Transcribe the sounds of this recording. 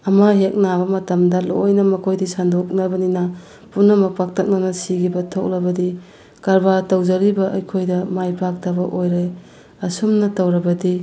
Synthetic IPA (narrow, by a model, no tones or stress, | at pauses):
ɐmɐɦek̚nabɐmɐtɐmdɐlojnɐmɐkʰojdisandok̚nɐbɐninɐ | punːɐmɐpak̚tʰɐk̚nɐnɐsiɡibɐtʰok̚lɐbɐdi | kɐɾbatɐwzɐɾibɐʔɐjkʰojdɐmajpʰak̚tɐbɐʔojɾe | ɐsumnɐtɐwɾɐbɐdi